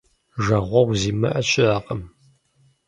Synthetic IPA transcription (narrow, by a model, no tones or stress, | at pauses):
ʒɐʁʷɔwziːmɐʔɐɕʼɪaːqʼəm